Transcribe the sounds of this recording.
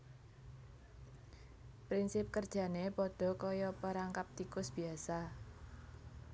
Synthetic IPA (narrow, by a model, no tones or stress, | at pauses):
pɾinsɪp̚kərd̥ʒ̥ä̤nepɔɖ̥ɔ̤kɔjɔpəɾaŋkap̚t̪ikʊsb̥i̤asa